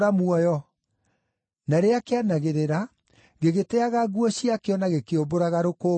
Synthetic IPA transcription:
ɾamuɔjɔ | naɾeakeanaɣeɾeɾa | ɣeɣetɛaɣaɣuɔɕiakeɔnaɣekeoboɾaɣaɾoko

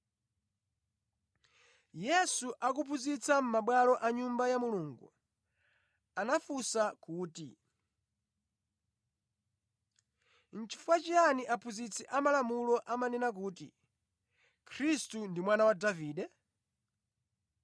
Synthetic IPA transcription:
jɛsuʔakupʰuzit͡sʰam̩maɓwalɔʔaɲumbajamuluːŋɡṵ | anafusakuːtḭ | n̩t͡ʃʰi̥fuat͡ʃianiʔapʰuzit͡sʰɛʔamalamulɔʔamanɛnak̬uːtḭ | kʰɾistundimwanawadaviːɗɛ

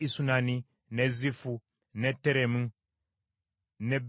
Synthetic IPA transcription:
isunani | nezifu | neteɾemu | neb

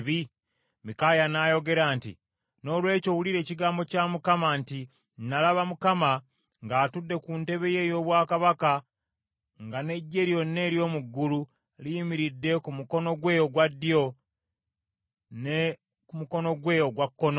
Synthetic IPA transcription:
βi | mikajanajo̞ɡe̞ɾaːntḭ | no̞ːlwe̞ːco̞wuliɾe̞ːciɡaːmbo̞camukamanti | nnalaβamukama | ŋɡaːtudːe̞kunte̞βe̞je̞jo̞ːβwaːkaβaka | ŋɡane̞ɟːe̞ɾijo̞nːe̞ɾjo̞ːmuɡːulu | lijimiɾidːe̞kumuko̞no̞ɡwe̞ːjo̞ɡwadːio̞ | ne | kumuko̞no̞ɡwe̞ːjo̞ɡwakːono

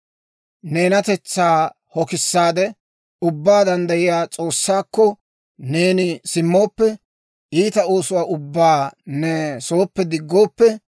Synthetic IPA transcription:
neːnɐt̪ɛt͡sːaː | hɔkɪsːaːd̪ɛ | ʊbːaːd̪ɐnd̪ɐjɪjaːt͡sʼo̞ːsːaːkːɔ | ne̞ːnɪsɪmːoːpːɛ | iːt̪ɐo̞ːsʊwaːʔʊbːaːnɛsoːpːɛd̪ɪɡːo̞ːpːɛ

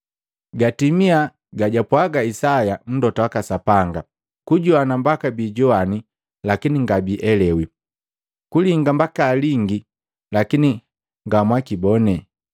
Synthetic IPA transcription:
ɡatimia | ɡaɟapwaɡaisajam̩dɔtawakasapaŋɡa | kuɟɔanambakabiːɟɔani | lakiniŋɡabiʔɛlɛwi | kuliŋɡambakaːliŋɡi | lakini | ŋɡamwakibɔnɛ

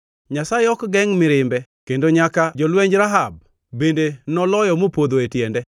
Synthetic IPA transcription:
ɲasajeɔkɡɛŋmɪɾɪmbɛkendoɲakad͡ʒɔlwɛɲd͡ʒɾaɦab̚ | bendenɔlɔjɔmopod̪oetjɛndɛ

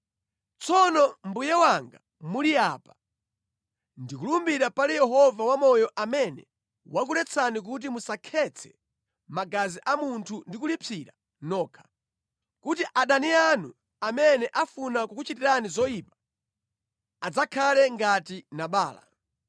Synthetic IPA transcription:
t͡sɔnɔmbujɛwaŋɡa | muliapa | ndikulumbiɾapalijɛɦɔvawamɔjɔʔamɛnɛ̰ | wak̬ulɛt͡sʰanik̬ut̬imusakʰɛt͡sʰɛ̥ | maɡaziʔamuntʰundikulipʰiɾa | nɔːkʰḁ | kutiʔaɗanianu | amɛnɛʔafunakukut͡ʃitiɾanizɔjiːpḁ | ad͡zakʰalɛŋɡatinaɓaːla̰

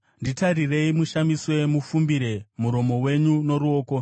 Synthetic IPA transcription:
nditarire̞imuʃamiswe̞mufumbiɾe̞muɾo̞mo̞we̞ɲuno̞ɾuo̞ːko̞

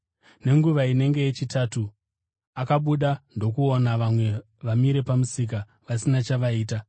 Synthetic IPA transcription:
ne̞ŋɡuʋaine̞ŋɡe̞jet͡ʃitatu | akaɓuɗando̞kuonaʋamwe̞ | ʋamiɾe̞pamusik̬a | ʋasinat͡ʃaʋaiːta

